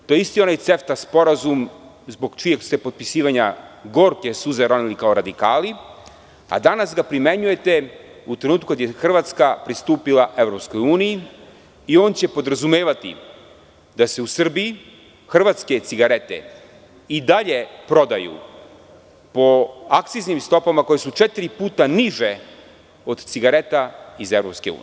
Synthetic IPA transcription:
t̪ojeist̪io̞najt̪se̞ft̪aspo̞ɾazum | zbo̞ɡt͡ʃijekst̪e̞po̞t̪̚pisiːʋaɲaɡo̞ːɾke̞suzaɾonilikaoɾad̪ikaːli | a̰d̪anasɡapɾime̞ɲuje̞t̪e | ut̪ɾe̞nuːt̪̚kukad̪jexr̩ʋat̪skapɾist̪uːpilˠaʔe̞ʋɾo̞psko̞juːniji | io̞ːnt͡ɕe̞po̞d̪ɾazumeːʋat̪ḭ | d̪ase̞usr̩biji | xr̩ʋaːt̪ske̞t̪siɡaɾe̞t̪ḛ | id̪aʎe̞pɾo̞d̪ajṵ | po̞akt̪siznimst̪o̞pamako̞jesut͡ʃe̞t̪iɾipuːt̪aniʒe | od̪t̪siɡaɾe̞t̪aize̞vɾo̞pske̞ṵːn

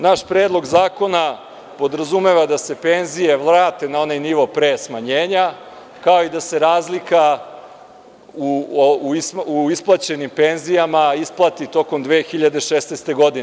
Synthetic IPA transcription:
naʃpɾeːd̪lˠo̞ɡzaːko̞na | po̞d̪ɾazume̞ʋad̪ase̞pe̞nzije̞ʋlˠɾaːt̪e̞nao̞najniʋo̞pɾesmaɲeːɲa | kao̞id̪ase̞ɾaːzlika | uuisuisplˠat͡ɕe̞nimpe̞nzijamaisplˠat̪it̪o̞ko̞md̪ʋe̞ːxiʎad̪e̞ʃeːsnest̪e̞ɡo̞d̪ine

